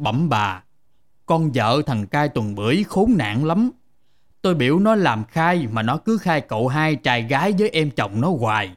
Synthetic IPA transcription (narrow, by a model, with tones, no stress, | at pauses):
ɓə̰˧˩mɓaː˨˩ | kɔ˧nzə̰ː˧˨t̪ʰə˨˩ŋkaː˧jt̪wə˨˩nɓɨ̰˧˩əjxo˨˦nna̰ː˧˨ŋla˨˦m | t̪o˧jɓḭ˧˩əwnɔ˨˦laː˨˩mxaː˧jmaː˨˩nɔ˨˦kɨ˨˦xaː˧jko̰˧˨ɦaː˧jt͡ɕaː˧˩jɣaː˨˦jzəː˨˦jʔɛ˧mt͡ɕə˨˩wŋ͡mnɔ˨˦ɣwaː˨˩j